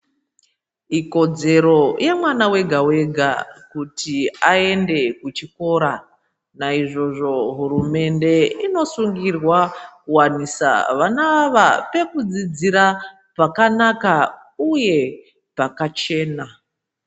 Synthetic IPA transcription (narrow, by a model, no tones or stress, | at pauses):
iko̞d͡ze̞ɾo̞jemwanawe̞ɡʱawe̞ɡʱa̰kutiae̞nde̞kut͡ʃiko̞ɾa | naiʐo̞ʐo̞ɦuɾume̞nde̞ino̞suŋɡirwakuwanisa̰ʋanaʋape̞kud͡zid͡ziɾa | pakanaka | uje̞ | pakat͡ʃe̞ːna